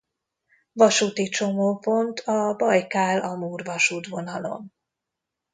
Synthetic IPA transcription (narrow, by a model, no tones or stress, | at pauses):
vɒʃuːt̪it͡ʃo̞moːpo̞nt̪ʰɒbɒjkaːlʔɒmuːrvɒʃuːt̪vo̞nɒlo̞̰n